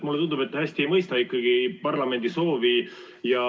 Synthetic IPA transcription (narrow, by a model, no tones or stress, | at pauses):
mulːeund̪ube̞t̪ːhæsʲt̪iejmɤjst̪ɑikːɑɡipɑrlɑme̞nd̪̥iso̞ːvi | jɑ